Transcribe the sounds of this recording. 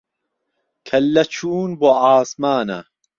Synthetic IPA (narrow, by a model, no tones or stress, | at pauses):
kʰɐlːɐt͡ʃʰuːnboaːsmaːnɐ̰